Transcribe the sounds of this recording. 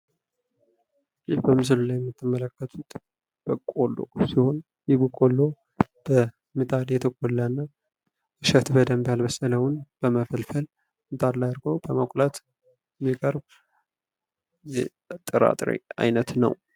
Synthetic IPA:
jɪhbəmɨs̬ɨlulajːɛmːɨt̪ʰːɨmːələkːət̪ʰut̪ | b̥əkʼolːo̞̰siho̞n | jɪbəkʼolːo̞ | b̥ə | mɨt̪ʼad̪jɛt̪ʰəkʼolːanːa | ɨʃət̪bəd̪əmbialbəsələwʊnb̥əməfəlfəl | mɨt̪ʼad̪laj̪ɨɾɡo̞bəmakʷʼlat̪ | ɛmːikʼəɾb | jɛ | t̪ʼːɨɾa̰t̪ʼɾḭa̰jnət̪nə̰w

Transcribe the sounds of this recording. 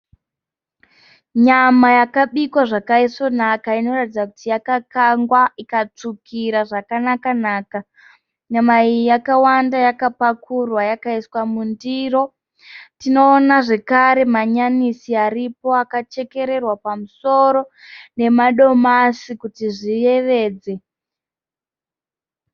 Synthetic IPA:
ɲamajakaɓikwaʐakaiso̞nakaino̞ratid͡zakutijakakaŋɡwaikat͡ʂukʰiɾaʐakanakanaːka | ɲamaijakawandajakapakurwajakaiswamundiːro̞ | tino̞ːnaʐe̞kaɾe̞maɲanisiaɾipo̞akat͡ʃe̞ke̞ɾe̞rwapamuso̞ɾo̞ne̞maɗo̞masikutiʐije̞ʋe̞ːd͡ze̞

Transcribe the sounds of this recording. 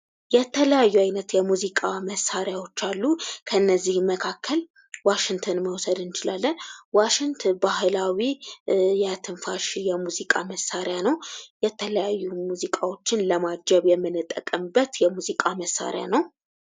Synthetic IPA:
jɛt̪ʰələjajːuajnət̪jɛmuzikʼaməsaɾjawot͡ʃːalːukʰəɨnːəzːihməkʰakːəl | waʃɪŋt̪ʰənməwsəd̪ɨnt͡ʃɪlalːənwaʃɪŋt̪ʰbahlawijat̪ʰɨnfaʃjɛmuzikʼaməsːaɾjanəwjɛt̪ʰələjajːumuzikʼawo̞t͡ʃːɪnləmad͡ʒɛβjɛmːɨnɨt̪ʼːəkʼəmbət̪jɛmuzikʼaməsːa̰ɾja̰nəw

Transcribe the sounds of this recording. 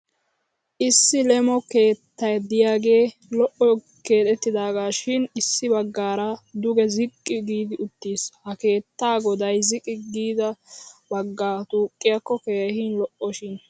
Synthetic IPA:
ʔɪsːɪlɛmɔke̞ːt̪ːɐjd̪ɪjaːɡe̞ː | lɔʔɔ | ke̞ːt̪ʼɛt̪ːɪd̪aːɡaːʃɪnɪsːɪbɐɡːaːɾɐd̪ʊɡɛzɪkʼːɪɡiːd̪ɪʊt̪ːiːshɐke̞ːt̪ːaːɡɔd̪ɐjzɪkʼɪɡiːd̪ɐbɐɡːaːt̪uːkʼːɪjɐkːɔkeːhinlɔʔɔʃɪn

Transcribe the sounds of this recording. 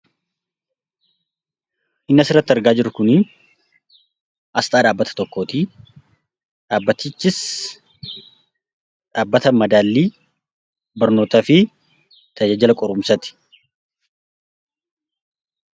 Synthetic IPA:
ʔɪnːɐsɪrːɐt̪ːɪɐɾɡaːd͡ʒɪɾʊkʊnɪ | ʔɐst̪ʼaːᶑaːbːɐt̪ɐ̥t̪ɔkːoːt̪i | ᶑaːbːɐt̪ːɪt͡ʃːɪs | ᶑaːbːɐt̪ɐmɐd̪aːlːiː | bɐɾnoːt̪ɐfɪ | t̪ʰɐd͡ʒaːd͡ʒɐlɐkʼɔɾʊmsɐt̪ɪ̥

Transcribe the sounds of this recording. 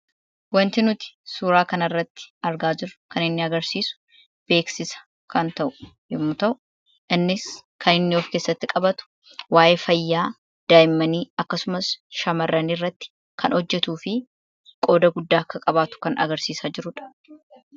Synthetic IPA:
wɐnt̪ɪnʊt̪ɪ̥suːɾaːkɐnɐrːɐt̪ːɪ̥ɐɾɡaːd͡ʒɪɾʊ̥kɐnɪnːɪɐɡɐɾsiːsʊ̥ | b̥e̞ːksɪsɐ̥ | kɐnt̪ɐʔʊ | jɪmːʊt̪ɐʔʊ | ʔɪnːɪskʰɐnɪnːɪoːfke̞ːsːɐt̪ːɪkʼɐbɐt̪ʊ̥ | waːʔefɐjːaː | d̪̥aːjɪmːɐniːɐkːɐsʊmɐsʃɐmɐrːɐniːrːɐt̪ːɪ̥ | kʰɐnɔd͡ʒːɛt̪uːfɪ | kʼo̞ːd̪ɐɡʊd̪ːaːkːɐkʼɐbaːt̪ʊ̥kɐnɐ̰ɡɐɾsiːsaːd͡ʒɪɾʊᶑɐ̥

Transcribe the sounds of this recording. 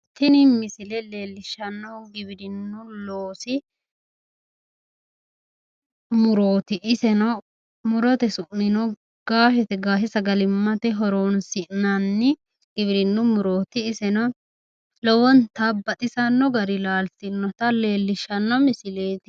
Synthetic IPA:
t̪ɪnɪmɪsɪlɛle̞ːlːɪʃɐnːɔɡɪbɪɾɪnːʊloːsɪ | mʊɾo̞ːt̪ɪʔːsɛnɔ | mʊɾɔt̪ɛsʊʔnɪnɔ | ɡ̥aːfɛt̪ɛɡaːhɪsɐɡɐlɪmːɐt̪ɛɦɔɾoːnsɪʔnɐnːɪ | ɡ̥ɪβɪɾɪnːʊmʊɾo̞ːt̪ɪːsɛnɔ | lɔwɔnt̪ɐbːɐt̪ʼɪsɐnːɔɡɐɾɪlaːltɪnːɔt̪ɐle̞ːlːɪʃːɐnːɔmɪsɪleːt̪ɪ

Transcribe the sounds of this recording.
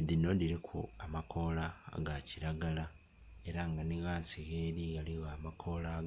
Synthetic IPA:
dinodiɾekʰuamakʰo̞la̰ɡaciɾaɡala | e̞ɾaŋɡaniɣasiɣeɾiɣaliɣaːmakʰo̞laɡ

